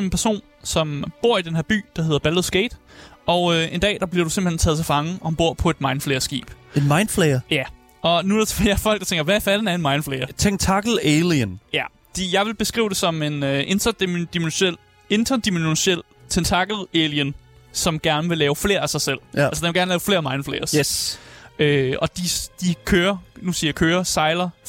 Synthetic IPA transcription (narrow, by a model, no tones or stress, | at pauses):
me̝npʰæɐso̝̰ːn | sɒ̽mb̥o̝ɐ̰id̥enhe̝ɐb̥y̰ːd̥ɑ̈ɦe̝ðˠɐb̥ælð̩ˠsɡ̥eːd̥ɒ̽ʊøe̝nd̥ɛ̰ːd̥ɑ̈b̥liɐɾ̥use̝mb̥l̥hent͡sʰɛːðˠt͡sʰe̝fɑ̈ŋəɒ̽hænb̥o̝ɐ̰pʰɒ̽e̝d̥mɑ̈ɪnfleɪɐsɡ̥ḭːb̥e̝nmɑ̈ɪn̥fleɐjæ | ɒ̽nuɾet͡sʰfeɐfɒ̽l̰ɡ̥̚ɑ̈t͡sʰeŋɡ̥ɐʋæfæd̥enæɐe̝nmɑ̈ɪn̥fleɪɐt͡sʰeŋt͡sʰɑɡ̥l̩eliənjæ | d̥ijɑ̈ɪʋe̝lb̥e̝sɡ̥ʁḭːʊd̥e̝sɒ̽me̝nøʔe̝nt͡sʰɐ̥d̥imenɕel̰ | e̝nt͡sʰɐd̥imennɕel̰ | t͡sʰent͡sʰɑ̈ɡ̥l̩eljən | sɒ̽mɡ̥æɐnəʋe̝lɛːʊfle̝̰ːɐæsɑ̈ɪsel̰ælsəd̥eneɡ̥æɐnəlɛːʊfle̝̰ːɐmɑ̈ɪnfleɪɐs | øɒ̽d̥id̥ikʰøːɐnusiɐjakʰøːɐsɑ̈ɪlɐ